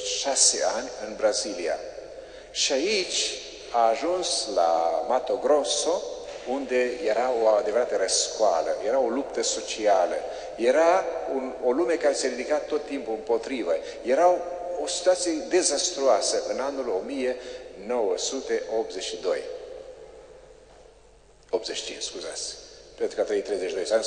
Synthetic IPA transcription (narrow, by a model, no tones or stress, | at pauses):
ʃase̞̰anʲɨnbɾazilia̰ | ʃiait͡ʃʲ | aːʒunsla̰mat̪o̞ɡɾo̞so̞ | und̪e̞je̞ɾaoad̪e̞vəɾat̪əɾəskoa̰lə̰jeɾao̞lupt̪əso̞t͡ʃialə | je̞ɾaunolume̞kaɾe̞se̞ɾid̪ikat̪ːo̞t̪ːimpuɨmpo̞t̪ɾivə | je̞ɾawosi̥t̪uat̪sije̞d̪e̞zast̪ɾuasəʔɨnanulo̞mije̞no̞wəsut̪e̞ʔo̞p̪̚zeʃid̪o̞j | opt̪zet͡ʃʃi̥t͡ʃḭnt͡ʃskuza̰t̪sʲpent̪ɾukəat̪ɾejt̪ɾejzeʃid̪ojsa